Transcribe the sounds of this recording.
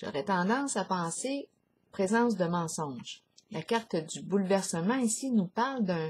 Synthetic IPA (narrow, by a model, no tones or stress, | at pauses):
ʒ̥ɔ̰ʁɛt̪ɑ̃d̪ɑ̃ːsapɑ̃se | pʁezɑ̃ːs̬d̪əmɑ̃ːsɔ̃ʒ | lakaʁt̪d̪ybulvɛʁsəmɑ̃isinupaʁld̪ɛ̃